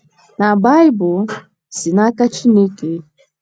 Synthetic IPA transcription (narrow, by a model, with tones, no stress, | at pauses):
na˨ba˦jbʊ˨ | si˨na˦ka˦t͡ʃi˦ne˦ke˦